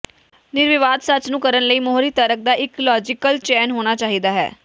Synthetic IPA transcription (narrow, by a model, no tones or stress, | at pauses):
nɪɾʋɪʋaːd̪sət͡ʃnũːkəɾənləiːmoɦɾiːt̪əɾək̚d̪aːʔɪklɔːd͡ʒɪkəlt͡ʃɛːnɦoːñaːt͡ʃaːɦid̪aːɦɛ̰ː